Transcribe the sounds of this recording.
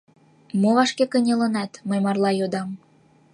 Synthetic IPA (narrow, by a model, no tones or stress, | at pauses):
moβɑʃkekənʲelə̆nɑt̪məjmɑrlɑjod̪ɑm